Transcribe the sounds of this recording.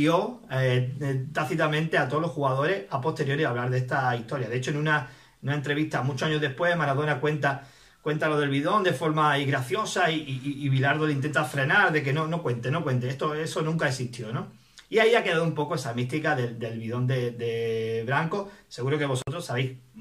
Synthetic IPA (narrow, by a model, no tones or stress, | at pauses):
jo̞ | t̪aθit̪amẽnt̪e̞at̪olo̞sxuɣað̞o̞ɾe̞hapo̞st̪e̞ɾjo̞ɾiaβlaɾðe̞st̪aiht̪o̞ɾjaðeet͡ʃoenũna | enunaent̪ɾe̞βiht̪amut͡ʃoaɲoðe̞hpwe̞hmaɾað̞onakwe̞nt̪a | kwe̞nt̪alo̞ð̞e̞lβiðo̞nd̪e̞fo̞ɾmaiɣɾaθjosaiiːβilaɾðolint̪e̞nt̪afɾe̞naɾðe̞k̬e̞no̞no̞kwe̞nt̪e̞no̞kwe̞nt̪eest̪oe̞sonũŋkaesiht̪jo̞no̞ | iaiake̞ðaðumpo̞koe̞samist̪ikaðe̞d̪e̞lβiðo̞nd̪e̞d̪e̞βɾaŋko̞se̞ɣuɾo̞ke̞βo̞so̞t̪ɾosːaβe̞jh